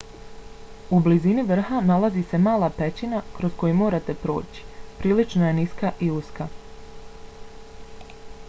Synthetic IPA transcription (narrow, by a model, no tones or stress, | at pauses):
ubliziniʋr̩xanalazise̞maːlˠape̞t͡ɕinakɾo̞sko̞jumo̞ːɾat̪e̞pɾo̞̰ːt͡ɕi̥pɾiːlit͡ʃnoje̞niskaʔiuska